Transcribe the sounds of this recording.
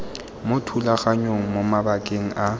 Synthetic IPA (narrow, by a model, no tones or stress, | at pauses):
mʊtʰulaɣaɲoŋ̩momabakʼeŋ̩ʔa